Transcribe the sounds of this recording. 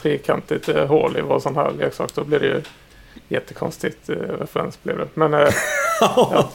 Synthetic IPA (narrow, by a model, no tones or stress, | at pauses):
ɾeːkʰant̪ʰlɪt̪ɦoːɭɪvɑsɔnːhæ̰ːɾleːksɑ̰ːkd̪ɔblɪd̪ɛjɵ | jɛt̪ʰːəkʰɔ̰nst̪ɪt̪ɾɛfɾɛ̰nsblɪvd̪ɛmɛnː | jɑ